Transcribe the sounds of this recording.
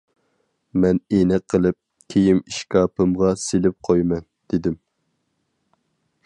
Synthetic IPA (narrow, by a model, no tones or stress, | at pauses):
mɛnenɛqʰːəlˠɪp̚ | kʲʰejimiʃkʲɑːpɨmʁɑselɪp̚qʰojmɛnd̪̥ɪd̪ɪm